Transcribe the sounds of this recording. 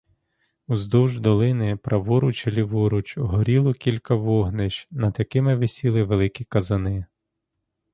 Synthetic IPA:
uzd̪ɔwʒd̪ɔlˠɪnɪpɾɐʋɔɾʊt͡ʃelʲiʋɔɾʊt͡ʃɔɦɔɾʲilˠɔkʲilʲkɐʋɔɦnɪt͡ʃnɐd̪jɐkɪmɪʋesʲilˠɪʋelˠɪkʲikɐzɐnɪ

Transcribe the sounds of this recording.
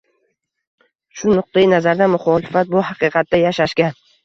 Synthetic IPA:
ʃʊnʊq̚t̪ajinazaɾd̪amʊχɒːlɪfat̪̚bʊɦɑqɨːqʰɑt̪̚ːajaʃaʃɡʲan

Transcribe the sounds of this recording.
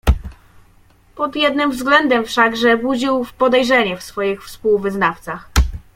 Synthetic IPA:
pɔd̪jɛd̪nɘmvzɡlɛnd̪ɛmfʂaɡʐɛbud͡ʑiwfpɔd̪ɛjʐɛɲɛfsfɔjixfspuwvɘznaft̪sax

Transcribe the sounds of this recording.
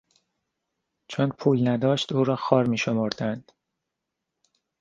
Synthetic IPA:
t͡ʃʰonpʰuːlnæd̪ɒːʃt̪uːɾɒːxɒːɾmiːʃo̞moɾd̪ænd̪̥

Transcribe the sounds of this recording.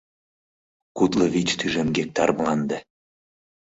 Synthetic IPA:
kut̪ləβit͡ɕt̪yʒemɡek̚t̪ɑɾblɑnd̪e

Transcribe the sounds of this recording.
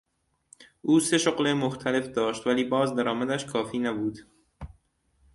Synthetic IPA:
ʔuːse̞ʃoɣlemoxt̪ʰæle̞fd̪ɒːʃt̪væliːbɒːzd̪æɾɒːmæd̪æʃkʰɒːfiːnæbuːd̪̥

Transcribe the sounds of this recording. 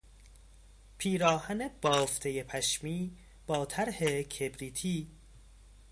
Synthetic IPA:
pʰiːɾɒːhæneb̥ɒːft̪ʰejepʰæʃmiː | b̥ɒːt̪ʰæɾhekʰebɾiːt̪ʰiː

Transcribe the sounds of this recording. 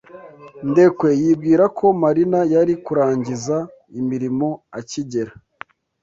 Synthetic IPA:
nde̞kwe̞jiːb̚ɡiːɾakʰo̞maɾinajaɾikuɾaːɲɟiza | imiɾimo̞aciɟe̞ɾa

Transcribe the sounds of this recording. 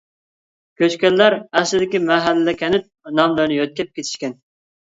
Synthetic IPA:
kʲøt͡ʃkʲɛlːæɾæχsɪd̪ɪkʲimæɦælːɪd̪ɛkʲʰɛnɪp̚nɑmləɾnɨɪjøt̪̚kʲɛp̚kʲʰet̪ʰi̥ʃkʲɛn

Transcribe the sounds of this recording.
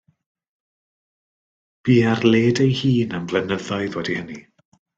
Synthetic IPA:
b̥iːarleːdejhiːnamvlˠɛnəðɔɨðwɛdihəni

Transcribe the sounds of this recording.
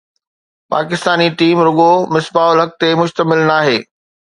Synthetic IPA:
pa̰ːkɪst̪aːniʈiːmɾʊɠomɪsbaːʊlɦɐk̚t̪emʊʃt̪əmɪlnaːɦeː

